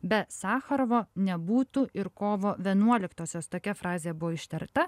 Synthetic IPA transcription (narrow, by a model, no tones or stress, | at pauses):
bʲɛt̪sɑːxɐɾʋoːnʲɛbuːt̪uːʔɪɾkoːʋoːʋʲiɛnuɔlʲɪkt̪oːsʲoːst̪oːkʲɛfɾɑːzʲeːjɛbʊʋoːɪʃʲt̪ʲɛɾt̪ɐ